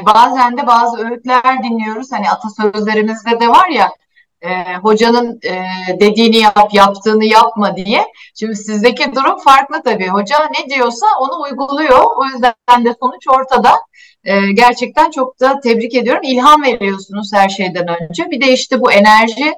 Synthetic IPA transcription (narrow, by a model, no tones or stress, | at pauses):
baːzænd̪ɛbaːzɯøɾyt̪lʲæɾd̪inlʲijo̞ɾuz̥haniat̪ʰasø̞zlʲe̞ɾimizd̪ɛd̪ɛvaɾja | ɛːɦo̞d͡ʒanɯnɯːd̪e̞d̪iːnijapjapt̪ʰɯːnɯjapmad̪ijɛʃimd̪isizd̪e̞cid̪uɾumfaɾklˠɯt̪ʰabiːɦo̞d͡ʒaned̪ijo̞sao̞nuːjɡulˠujo̞ojyzd̪æænd̪ɛso̞nut͡ʃo̞ɾt̪ʰad̪a | ɯːɟæɾt͡ʃʰɛc̚t̪ʰænt͡ʃʰo̞k̚t̪ʰat̪ʰɛbɾice̞d̪ijo̞ɾumilʲɦanve̞ɾijo̞sunuz̥hæɾʃe̞jd̪ænø̞nd͡ʒɛbid̪ɛiʃt̪ɛbue̞næɾʒi